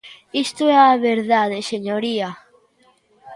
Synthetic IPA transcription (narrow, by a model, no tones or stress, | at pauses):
ist̪oɛaβeɾðaðeseɲoɾia